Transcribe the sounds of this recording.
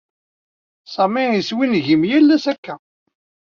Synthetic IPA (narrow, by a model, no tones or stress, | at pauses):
sˤɑmiiswinʝimjælːæsækːæ